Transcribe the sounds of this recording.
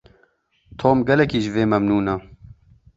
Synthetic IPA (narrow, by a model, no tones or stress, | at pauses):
t̪ʰoːmɡɛlɛkiːʒveːmɐmnuːnɐ